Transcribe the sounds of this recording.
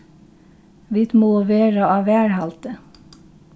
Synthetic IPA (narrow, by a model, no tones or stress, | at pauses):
ʋɪt̪moːʋeːɹɑɑːʋæːɹhɑlt̪ə